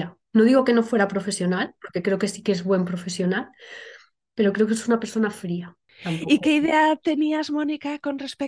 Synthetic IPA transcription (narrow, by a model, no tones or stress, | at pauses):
a | no̞ðiɣo̞ke̞no̞fwe̞ɾapɾo̞fe̞sjo̞nalpo̞ɾkekɾe̞oke̞si̥kezβwe̞mpɾo̞fe̞sjo̞nal | pe̞ɾokɾe̞o̞kesunape̞ɾso̞nafɾia | amike̞iðeat̪e̞niazmo̞nikako̞nrespe